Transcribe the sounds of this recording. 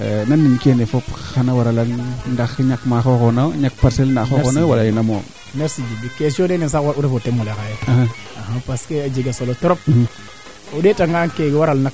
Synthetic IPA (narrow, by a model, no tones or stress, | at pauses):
nanːinkenefopxanawaɾalanndaxɲakmaxoxonaɲak̚paɾselnaxokonawalajinamo̰ | naɾsid͡ʒibikesionenis̬akwauɾefotemːulekajeahaaɦapaskead͡ʒiɡasolotoɾop̚ | udetaŋɡankeɡewaɾalnak̚